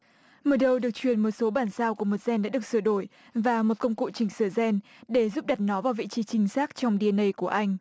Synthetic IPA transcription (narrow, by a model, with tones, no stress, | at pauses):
məː˨˩ɗə˧wɗɨ˨˩ək̚t͡ɕwi˧˨˩ənmo˨˩t̚so˨˦ɓaː˧˩nsaː˧wku˧˩əmo˨˩t̚z̥ɛ˧nɗa̰ː˧˥ɗɨ˨˩ək̚sɨ˧˩əɗo˧˩j | vaː˨˩mo˨˩t̚kə˧wŋ͡mkṵ˧˨t͡ɕï˧˩ŋ̟sɨː˧˩zɛ˧n | ɗe˧˩zu˦˥p̚ɗa˨˩t̚nɔ˨˦vaː˨˩wvḭ˧˨t͡ɕi˨˦t͡ɕï˨˦ŋ̟saː˦˥k̚t͡ɕɔ˧wŋ͡mɗi˧ə˧nə˧jku˧˩əʔa˧jŋ̟